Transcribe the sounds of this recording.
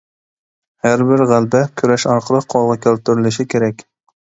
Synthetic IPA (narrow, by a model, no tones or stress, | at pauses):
hæɾbɪɾʁælˠbɛkʲʰyɾɛʃɑɾqʰəlˠɨqqʰːolˠʁɑkʲʰølˠt̪yɾɪlɪʃɪkʲʰeɾɛkʲ